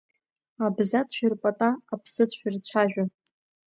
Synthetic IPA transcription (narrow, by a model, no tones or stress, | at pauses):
abzatʷʰᶣirpʼatʼaːpʰsɨt͡ɕʷʰirt͡ɕʷʰaʒᶣʷa